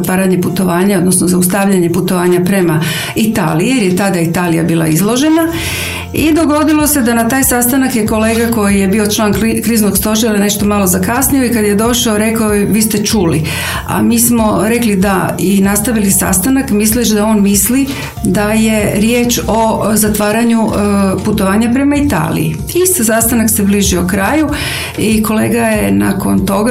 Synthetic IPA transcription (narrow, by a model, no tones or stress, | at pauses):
t̪ʋaːɾaɲe̞put̪o̞ʋaːɲao̞d̪nosnozaust̪aʋʎaɲe̞put̪o̞ʋaːɲapɾe̞ma | it̪a̰ːlijijeɾjet̪ad̪ait̪aːlija̰biːlˠa̰izlˠo̞ʒe̞na | id̪o̞ɡo̞d̪ilo̞se̞d̪anat̪aːjsast̪anakjeko̞le̞ːɡako̞jije̞biːo̞t͡ʃlˠaːnkɾiːznoɡst̪o̞ʒiɾane̞ʃt̪o̞malo̞zakasnioikad̪je̞d̪o̞ʃaoɾe̞kaoʋiːst̪e̞t͡ʃuli | a̰miːsmo̞ɾeklid̪ainast̪aʋilisa̰st̪anakmisliʃd̪ao̞ːnmisli | d̪aje̞ɾje̞ːt͡ʃo̞zat̪ʋaːɾaɲuput̪o̞ʋaːɲapɾe̞mait̪a̰ːlḭḭ | ist̪asast̪anaksebliːʒiokɾaːju | iko̞le̞ːɡaje̞na̰ko̞nt̪o̞ɡa